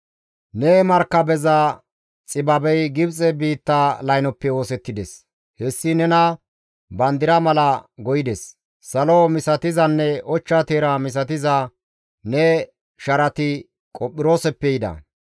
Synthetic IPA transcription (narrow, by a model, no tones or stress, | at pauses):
nɛmɐɾkːɐbɛzɐ | t͡sʼɪbɐbɛjɡɪbt͡sʼɛbiːt̪ːalɐjnɔpːɛwo̞ːsɛt̪ːɪd̪ɛs | hɛsːɪnɛnɐ | bɐnd̪ɪɾɐmɐlɐɡɔjɪd̪ɛs | sɐlomɪsɐt̪ɪzɐnːɛʔɔt͡ʃːat̪eːɾɐmɪs̬ɐt̪ɪzɐ | nɛ | ʃɐɾɐt̪ɪ | kʼɔpʼːɪɾo̞ːsɛpːɛjɪd̪ɐ̰